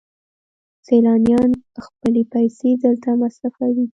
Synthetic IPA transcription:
selɑnjɑnxpəlepajsezalt̪amasɾafawi

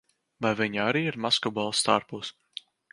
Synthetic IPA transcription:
vajvʲiɲaɾiːiɾmaskɔbalˠst̪a̰ːɾpuːs

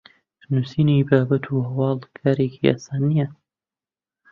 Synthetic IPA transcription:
nusiːnibaːbɐt̪ʰuːhɐwɑːlkʰaːɾeːkʰia̰ːsaːnijɐ

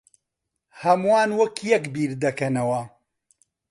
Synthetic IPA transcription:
hɐmwaːnwɐkjɐkbiːɾd̪ɐkɐnɐwɐ

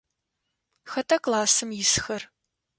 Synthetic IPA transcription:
xɐtʰɐkʼlaːsɨmjɪsxɐr

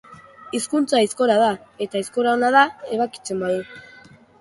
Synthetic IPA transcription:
iskunt͡saisko̞ɾað̞ae̞t̪aisko̞ɾaonaðae̞β̞aki̥t͡sembaðu

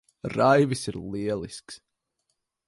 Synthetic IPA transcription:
rajvɪsəɾlˠiəlˠɪ̰sks

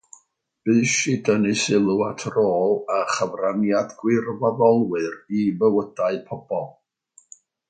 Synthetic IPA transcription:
b̥ɨʃɨdənɨsɪlˠuatʰroːlˠaχəvranjadɡwɪrvaðɔlˠwɨrivəwədaɨpʰɔb̥ɔlˠ

